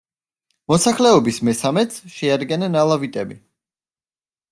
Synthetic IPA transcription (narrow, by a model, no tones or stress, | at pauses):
mɔsaχlɛɔbismɛsamɛt̪sʃɛad̪ɡɛnɛnalˠavit̪ʼɛbḭ